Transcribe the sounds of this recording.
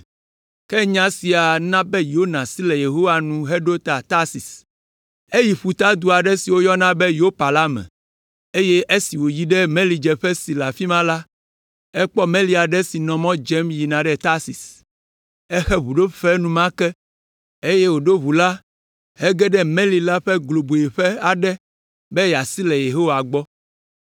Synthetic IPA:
kɛ˦ɲã˦si˨a˨nã˦bɛ˦jo˦nã˨si˦lɛ˨je˨ɦo˦wa˨nũ˨ɦɛ˦ɖo˦t̪a˨t̪a˦si˨s | e˦ji˨ɸu˨t̪a˦d̪u˦a˨ɖɛ˦si˨wo˦jɔ˦nã˦bɛ˦jo˦pa˨la˦mɛ̰̃˨ | e˦je˦ʔe˦si˨wo˨ji˦ɖɛ˦mẽ˦li˨d͡ʒɛ˨ɸɛ˦si˨la˨fi˦mã˦la˦ | ɛ˦k͡pɔ˦mẽ˦li˨˦a˨ɖɛ˦si˨nɔ̃˨mɔ̃˦d͡ʒɛ˦mji˨nã˨ɖɛ˦t̪a˦si˨s | ɛ˦xɛ˦βu˨ɖo˦fɛ˦nũ˦mã˦kɛ˦ | e˦je˦wo˨ɖo˦βu˨la˦ | ɦɛ˦ɡɛ˦ɖɛ˦mẽ˦li˨la˦ɸɛ˦ɡlo˨bu˨e˨ɸɛ˦a˨ɖɛ˦ | bɛ˦ja˨si˦lɛ˨je˨ɦo˦wa˨ɡ͡bɔ˦

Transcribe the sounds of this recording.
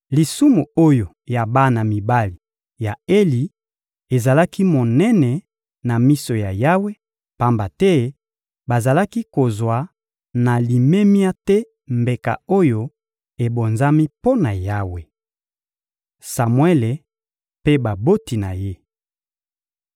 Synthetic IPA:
li˨su˦mu˨o˦jo˨ | ja˨ba˦na˨mi˨ba˦li˨ | ja˨e˦li˨ | e˨za˨la˦ki˦mo˨nɛ˦nɛ˨ | na˨mi˦so˨ja˨ja˦we˦ | pa˦mba˨tɛ˦ | ba˨za˨la˦ki˦ko˨zwa˨ | na˨li˨me˦mja˦tɛ˦ | mbe˨ka̰˨o˦jo˦ | e˨bo˨nza˦mi˦po˦na˨ja˦we˨ | sa˨mwɛ˦le˨ | pe˦ba˨bo˦ti˨na̰˨je˦

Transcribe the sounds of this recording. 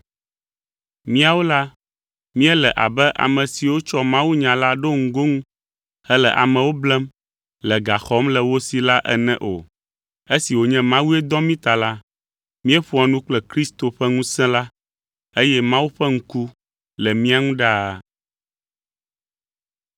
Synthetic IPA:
mĩ˦a˦˨wo˦la˦ | mĩ˦ɛ˦lɛ˨ʔa̰˨bɛ˦ʔa̰˨mɛ̃˨si˨wo˦t͡ʃɔ˦mã˦wu˦ɲã˨la˦ɖo˦ŋ̩˨ɡo˦ŋũ˦ | hɛ˦lɛ̰˨ʔa̰˨mɛ̃˨wo˦blɛ˦m | lɛ˨ɡa˨xɔ˦mlɛ˨wo˦si˨la˦ʔɛ̰˦nɛ̃˦ʔo̰˨ | e˦si˨wo˨ɲɛ̃˦mã˦wu˦ɛ˦d̪ɔ˦mĩ˦t̪a˨la˦ | mĩ˦ɛ˦ɸu˦a˨nũ˦k͡plɛ˦kɾi˦st̪o˨ɸɛ˦ŋũ˦sɛ̃˦la˦ | e˦jɛ˦mã˦wu˦ɸɛ˦ŋ̩̃˦ku˦ | lɛ˨mĩ˦a˦ŋũ˦ɖa˦˨

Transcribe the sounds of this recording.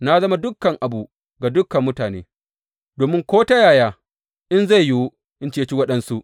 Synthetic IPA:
na˦zɐ˦ma˦dʊ˦kːɐ˨ŋʔa˨bu˨ | ɡa˨dʊ˦kːɐ˨mːʊ˦taː˨nḛː˦ | doː˨mɪ˦ŋkʷoː˦ta˦jaː˨jaː˦ | ʔɪ˦nza˦˨jju˦ | ʔɪ˦nt͡ʃeː˦˨˦t͡ʃi˦wɐ˦ɗɐ˦nsu˦ʔ

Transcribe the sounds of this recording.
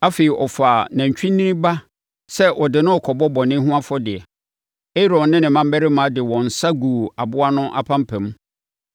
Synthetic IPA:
a˦fe˨i˨ʔɔ˨fa˨næ̃˨ɲ˨t͡ɕᶣĩ˦nːĩ˦nĩ˦ba˦ | sɛ˦ʔɔ˨dɪ˨nʊ̃˦ɔ˨kʰɔ˨bɔ˦bɔ˨nɪ̃˦ɦũ˦a˦fɔ˦dɪ˨ɛ˨ | e˦ɾɔ̃˨nːɪ̃˦nɪ̃˨mã˦m˦bæ˦ɾɪ˦mã˨˦dɪ˨wɔ̃˨n̩˨sa˦ɡu˨a˨bʊ˦a˦nʊ̃˦ʔa̰˦pʰã˦m˦pʰɛ̃˨m˦

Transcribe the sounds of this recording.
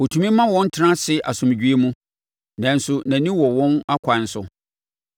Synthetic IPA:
wɔ˨tʰũ˨mĩ˦mã˦wɔ̃˦n˦tʰɪ˦nã˦sɪ˦ʔa̰˨sʊ̃˨m˨d͡ʑᶣɥe˦mũ˦ | nã˨n˦sʊ˦nã˨nĩ˦wɔ˨wɔ̃˦na˦kʷʰa˨n̩˦sʊ˨

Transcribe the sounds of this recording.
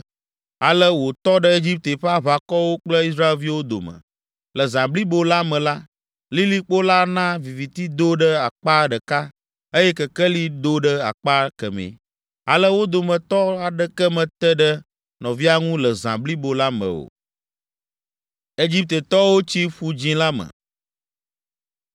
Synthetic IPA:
a˨lə˦wo˨t̪ɔ˦ɖə˦e˦d͡ʑi˦p̚t̪e˨ɸa˦βa˨kɔ˦wo˦k͡plə˦i˦s̬ɾa˦e˨lvi˦wo˦d̪o̰˨mə̰̃˨ | lə˨zã˨bli˦bo˦la˦mə̃˨la˦ | li˦li˦k͡po˦la˦nã˦vi˨vi˨t̪i˦d̪o˦ɖə˦a˨k͡pa˦ɖə˨ka˦ | ə˦jɛ˦kə˨kə˦li˦d̪o˦ɖə˦a̰˨k͡pa˦kə̰˨mḛ˨ | a̰˨lə˦wo˦d̪o˨mə̃˨t̪ɔ˦a˨ɖə˦kə˦mə̃˨t̪ə˦ɖə˦ | nɔ̃˨vi˦a˦ŋũ˦lə˨zã̰˨bli˦bo˨la˦mə̰̃˨o̰˨ | e˦d͡ʑi˦p̚t̪ə˨t̪ɔ˦wo˦t͡ɕi˦ɸu˦d͡ʑĩ˦la˦mə̰̃˨

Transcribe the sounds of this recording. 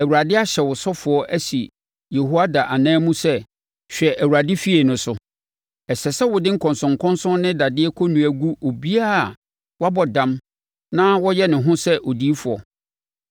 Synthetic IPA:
æ˨wu˨ɾa˨dɪ˦a˦ɕɛ˨wʊ˨sɔ˦fʊ˨ɔ˦ʔæ˦si˨ | je˨hu˦a˦da˨ʔa˨nãː˦mũ˦sɛ˦ | ɕᶣɛ˨ʔæ˨wu˨ɾa˨dɪ˦fi˦e˨nʊ̃˨sʊ˦ | ɛ˨ɕɛ˨sɛ˦wʊ˨dɪ̃˦ŋ̩˦kʰɔ̃˨nsʊ̃˨ŋ˨kʰɔ̃˦nsɔ̃˦nnɪ̃˦da˨dɪ˦ɛ˦kʰɔ˦nũ˨æ˨ɡu˦o˨bi˦a˦˨ | wɔ˦a˦bɔ˨dã˦m | nã˦wɔ˦jɛ˦nɪ̃˨ɦʊ̃˦sɛ˦ʔo˨diː˦fʊ˨ɔ˨

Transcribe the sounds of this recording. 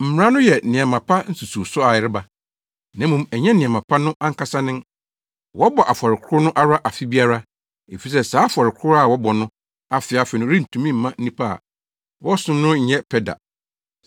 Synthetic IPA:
m̩˨mɪ˨˦ã˦nʊ̃˦jɛ˨nɪ̃˨ã˨mã˨pʰa˦n̩˦su˨su˨sʊ˦a˨jɪ˦ɾɪ˦ba˨ | nã˨˦mũ˨mɛ˨ɲɛ̃˦nɪ̃˨ã˨mã˨pʰa˦nʊ̃˦ʔã˦ŋ̩˦kʰa˦sa˦nɪ̃˦n | wɔ˦bɔ˨ʔa˨fɔ˨ɾɪ˨kʰʊ˦nʊ̃˦ʔa˦ɾa˦ʔa˨fi˦bi˦a˦ɾa˦ | e˨fi˨s̬ɛ˦˨saː˨˦fɔ˨ɾɪ˨kʰʊ˦ɾa˨wɔ˦bɔ˨nʊ̃˦ | a˨fɪ˨a˨fɪ˨nʊ̃˦ɾĩ˦n̩˨tʰũ˨mĩ˦m̩ː˨˦ã˦n̩˦nĩ˦pʰa̰˦˨ | wɔ˦sʊ̃˦mnʊ̃˦ɲ̩˨ɲɛ˦pʰɛ˦da̰˨

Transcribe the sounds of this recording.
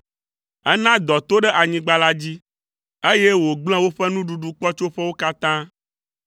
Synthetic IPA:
ɛ˦nã˦d̪ɔ˨t̪o˦ɖɛ˦ʔa˨ɲĩ˨ɡ͡ba˦la˦d͡ʑi˦ | e˦je˦wo˨ɡ͡bl̃ɛ̃˦wo˦ɸɛ˦nũ˦ɖu˨ɖu˨k͡pɔ˦t͡ʃo˦ɸɛ˦wo˦ka˦t̪ã˦

